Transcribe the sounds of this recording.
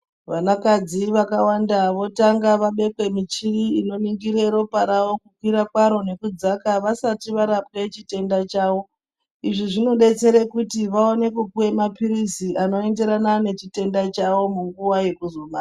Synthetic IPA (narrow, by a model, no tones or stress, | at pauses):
ʋanakad͡ziʋakawandaʋo̞taŋɡaʋaɓe̞kwe̞mit͡ʃiriino̞niŋɡiɾeɾo̞paɾawo̞kukwiɾakwaɾo̞ne̞kud͡zakaʋasatiʋaɾap̚ket͡ʃite̞ndat͡ʃawo̞ | iʐiʐino̞ɗe̞t͡se̞ɾekutiʋaone̞kukuwe̞mapiɾisiʔano̞e̞nde̞ɾanane̞t͡ʃite̞ndat͡ʃawo̞muŋɡuwaje̞kuzomaa